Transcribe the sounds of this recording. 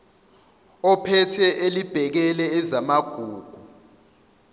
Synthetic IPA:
ɔpʰɛtʰɛʔelib̥ʱɛk̬ɛlɛːzamaɡ̥ʱuːɡ̥ʱu

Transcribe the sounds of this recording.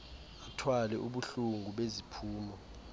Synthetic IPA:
atʰwalɛʔuɓuɬuŋɡʱuɓezipʰuːmɔ

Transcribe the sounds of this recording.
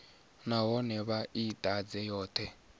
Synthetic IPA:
naɦɔnɛβaʔitʼad͡zɛjɔːt̪ʰɛ

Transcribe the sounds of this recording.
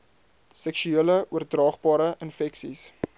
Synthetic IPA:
sɛkʃyeələuərdrɑːχbɑːɾəʔənfɛksis

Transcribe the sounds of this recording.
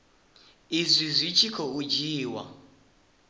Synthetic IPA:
izʷizʷit͡ʃʰikʰɔud͡ʒiːwa̰

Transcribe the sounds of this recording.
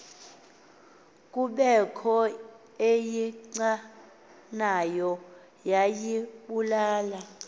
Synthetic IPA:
kʼuɓɛkʰɔ | ejiǀa | najɔ | jajiɓulaːla

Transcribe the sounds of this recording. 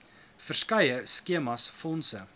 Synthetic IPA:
fərskɐjəskiəmɐsfɔnsə

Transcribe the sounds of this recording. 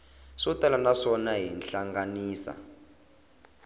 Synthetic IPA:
sɔtalanaʂɔnaɦinɬaŋɡaniːsa̰

